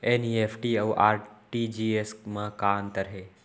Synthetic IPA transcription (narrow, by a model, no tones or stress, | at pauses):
eːnieːpʰʈiɐʋʔaːɾʈiːd͡ʒiːesmãkaːnt̪əɾɦeː